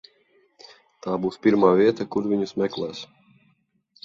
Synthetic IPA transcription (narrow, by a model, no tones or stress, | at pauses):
t̪aːbuːspʲiɾmaːvʲiɛt̪akuɾvʲiɲusmʲɛklˠæːs